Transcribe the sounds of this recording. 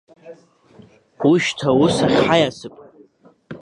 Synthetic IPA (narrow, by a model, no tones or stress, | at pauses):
uʃtʰawusaχʲħajasɨpʼ